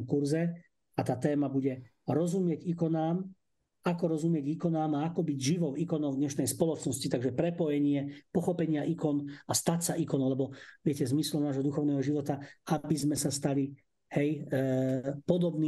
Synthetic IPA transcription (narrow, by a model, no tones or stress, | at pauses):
kuɾzɛ | at̪aːt̪ɛːmabuɟɛ | ɾɔzumɪɛɟikɔnaːm | akɔɾɔzumɪɛɟikɔnaːmaakɔbiɟʒiʋɔʊikɔnɔʊd̪ɲɛʃnɛjspɔlɔt͡ʃnɔscit̪aɡʒɛpɾɛpɔjɛɲɪɛpɔxɔpɛɲɪaʔikɔnast̪acsaʔikɔnlɛbɔʋɪɛcɛzmislɔmnaːʒɦɔd̪uxɔʊnɛːɦɔʒiʋɔt̪aabizmɛsast̪ali | hɛj | pɔd̪ɔbniː